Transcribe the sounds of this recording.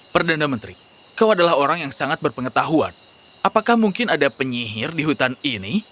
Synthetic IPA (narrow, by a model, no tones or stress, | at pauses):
pərdanamənt̪ɾi | kawadalaɦoɾaŋjaŋsaŋat̪̚bərpəŋət̪aɦua̰n | apakahmuŋkɪnadapəɲiɦɪrdiɦut̪anini